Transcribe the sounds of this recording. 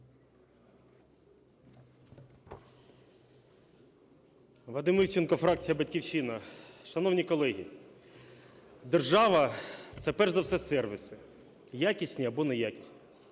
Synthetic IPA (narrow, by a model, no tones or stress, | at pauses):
ʋˠɐd̪ɪmiwt͡ʃʲɪnkɔfɾɑk̚t͡sʲijɐbɐtʲkʲiwʃinɐʃɐnɔwnʲikɔlˠɛɦʲḭ | d̪erʒɑʋɐt̪sɛpɛrʒzɐwsɛsɛrʋʲisɪ | jakʲisʲnʲiɐbɔnejakʲisʲnʲi̥